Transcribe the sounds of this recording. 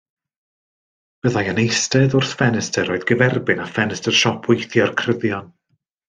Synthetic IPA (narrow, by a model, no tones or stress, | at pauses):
b̥əðajənejstɛðʊrθfɛnɛstʰəɾɔɨðɡəvɛrbɪnafɛnɛstərʃɔpʰɪjθjɔrkʰrəðjɔn